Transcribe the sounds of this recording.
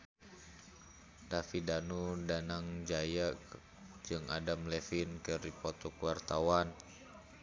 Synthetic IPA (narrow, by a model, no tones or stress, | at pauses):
tafidanudanaŋd͡ʒaja | d͡ʒɨŋadamlɛfinkəɾipɔt̪ɔkuwart̪awan